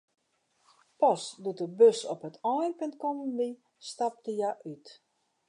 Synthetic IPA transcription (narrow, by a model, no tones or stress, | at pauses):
pɔsdudəbøsɔpɦətʰɔjnpøntkɔmənʋi | stap̚dəjaʔyt